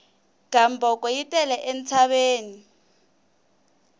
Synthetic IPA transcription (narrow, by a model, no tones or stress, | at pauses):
ɡ̥ʱambʱɔkɔjitʼɛlɛʔent͡sʰaɓeːni